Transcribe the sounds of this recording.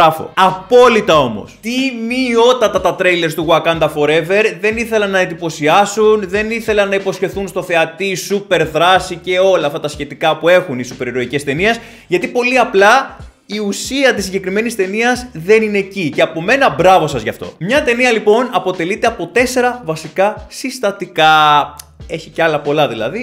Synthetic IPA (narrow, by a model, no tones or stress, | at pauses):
ɐfo̰ɐpo̞lit̪ɐo̞mo̞̰st̪imio̞t̪ɐt̪ɐt̪ɐt̪ɾejle̞ɾst̪uɣwɐkɐnd̪ɐfo̞ɾe̞ve̞ɾðe̞niθe̞lɐnːɐend̪ipo̞siɐsunðe̞niθe̞lɐnɐipo̞sçe̞θunst̪o̞θe̞ɐt̪isupe̞ɾðɾɐsice̞o̞lɐɐft̪ɐt̪ɐsçe̞t̪ikɐpue̞xunisupeɾeɾo̞icest̪e̞nies | ʝɐt̪ipo̞liɐplɐ | iusiɐt̪isːiɲɟe̞kɾime̞nist̪e̞niɐzðe̞nine̞ːcice̞ɐpo̞me̞nɐbɾɐvo̞sɐzʝɐ̰ft̪o̞̰mɲɐt̪e̞niɐlipo̞nɐpo̞t̪e̞lit̪eɐpo̞t̪e̞se̞ɾɐvɐsikɐsist̪ɐt̪ikɐ | e̞çiceɐlɐpo̞lɐðilɐ̰ði